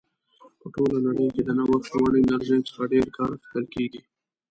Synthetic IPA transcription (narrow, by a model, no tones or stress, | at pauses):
pəʈolanaɽəjked̪ənawaxawaɽinaɾzajsə̥xaɖeɾkɑɾxɪ̥kəlkeɡi